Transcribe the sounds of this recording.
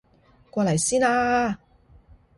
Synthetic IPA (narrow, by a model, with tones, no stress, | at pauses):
kʷɔː˧lɐ˨˩jsiː˥naː˧